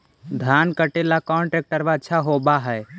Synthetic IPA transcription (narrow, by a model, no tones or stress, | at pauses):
d̪ʱjaːnkəʈelakɔ̃ːɳʈɾek̚ʈəɾʋaəʃʰaɦoːbaɦɛː